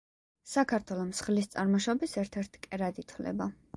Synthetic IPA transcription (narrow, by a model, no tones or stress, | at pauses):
sakʰaɾt̪ʰwɛlˠɔmsχlist̪sʼaɾmɔʃɔbisɛɾt̪ʰɛɾt̪ʰi̥kʼɛɾad̪it̪ʰwlɛ̰ba